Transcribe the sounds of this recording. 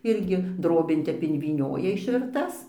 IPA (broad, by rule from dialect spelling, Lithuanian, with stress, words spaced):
ˈɪrʲɡʲɪ ˈdroːbʲeːn ˈtʲɛp ɪnʲʋʲiːˈnʲoːjɛ ɪʃʲʋʲɪrˈtɐs